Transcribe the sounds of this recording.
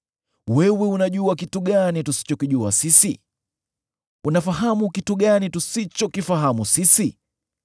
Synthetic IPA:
wɛwɛunaʄuakituɠanitusi̥t͡ʃɔkiʄuasisi | unafaɦamukituɠanitusit͡ʃɔkifaɦamusisi

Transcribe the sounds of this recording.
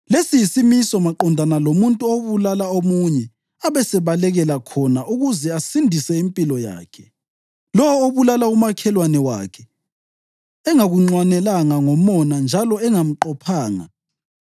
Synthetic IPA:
lesijisimisɔmaǃɔndʱanalomuntʼuoβulalaomuɲɛ | aβɛsɛβalɛɣɛlakʰɔnaʔuɣuzɛasindʱisɛimpʼilɔja̰ːkʰɛ̥ | lɔwɔoβulalaumakʰɛlwanɛwa̰kʰɛ | ɛŋaɣuŋ͡ǀwanɛlaŋaŋɔmɔnand͡ʒʱalɔɛŋam̩ǃɔpʰaːŋa̰

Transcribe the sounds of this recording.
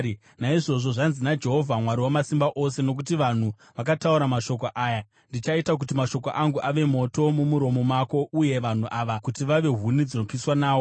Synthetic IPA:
naiʐo̞ʐo̞ʐanzinad͡ʒe̞ɦo̞vʱamwaɾiwamasimbaʔo̞se̞no̞k̬utiʋan̤u | ʋak̬atauɾamaʃo̞k̬oʔaːja | ndit͡ʃaitak̬utimaʃo̞ko̞ʔaŋɡuʔaʋe̞mo̞to̞mumuɾo̞mo̞mako̞uje̞ʋan̤uʔaʋakutiʋaʋe̞ɦunid͡zino̞piswanaːwo̞

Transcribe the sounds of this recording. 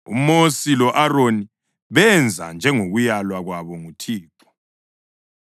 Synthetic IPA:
ṵmosilɔʔaroni | βɛnd͡zʱa̰nd͡ʒʱɛŋoɣujalwaɣwaβɔŋutʰiːǁɔ̥

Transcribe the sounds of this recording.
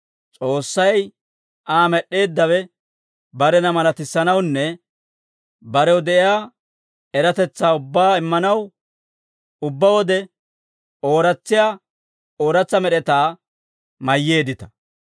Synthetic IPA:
t͡sʼo̞ːsːɐj | ʔaːmɛɗːe̞ːd̪ːɐwɛ | bɐɾɛnɐmɐlɐt̪ɪsːɐnɐwnːɛ | bɐɾɛwd̪ɛʔɪjaː | ɛɾɐt̪ɛt͡sːaːʊbːaːɪmːɐnɐw | ʊbːɐwɔd̪ɛ | o̞ːɾɐt͡sːɪjaː | o̞ːɾɐt͡sːɐmɛɗɛt̪aː | mɐjːe̞ːd̪ɪt̪ɐ̥

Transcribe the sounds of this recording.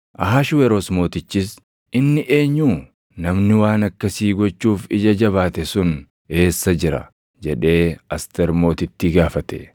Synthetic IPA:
ʔɐɦaːʃwɛɾoːsmo̞ːt̪ɪt͡ʃːɪs | ɪnːɪʔe̞ːɲːuː | nɐmnɪwaːnɐkːɐsiːɡɔt͡ʃːuːfɪd͡ʒɐd͡ʒɐβaːt̪ɛsʊn | e̞ːsːɐd͡ʒɪɾɐ̰ | d͡ʒɛᶑe̞ːɐst̪ɛɾmo̞ːt̪ɪt̪ːɪɡaːfɐt̪ɛ̰

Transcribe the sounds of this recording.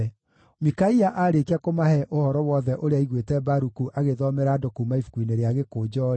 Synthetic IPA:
mikaiaʔaːɾekeakomahɛʔohɔɾɔwɔðɛʔoɾeaiɣwetɛbaɾukuʔaɣeðɔmɛɾadokumaifu̥kwineɾeaɣekoːd͡ʑɔɾ

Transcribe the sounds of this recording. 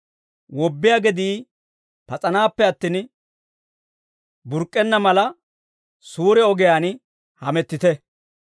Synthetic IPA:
wɔbːɪjaːɡɛd̪iː | pɐt͡sʼɐnaːpːɛɐt̪ːiːn | bʊɾkʼːɛnːɐmɐlɐ | suːɾɛɔɡɛjaːn | hɐmɛt̪ːɪt̪ɛ

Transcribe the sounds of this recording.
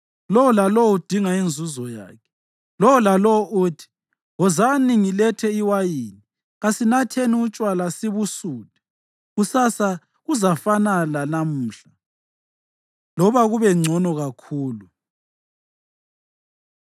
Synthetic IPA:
lɔwɔlalɔud̥ʱiŋaind͡zʱuzɔja̰ːkʰɛ̥ | lɔwɔlalɔwɔʔutʰi̥ | ɔzaniŋilɛtʰɛiwajiːni | ɣasinatʰeniut͡ʃʼwalasiβusuːd̥ʱɛ̥ | ɣusasa | ɣuzafanalanamuːɬa | lɔβaɣuβɛŋ͡ǀʱɔnɔɣakʰuːlu

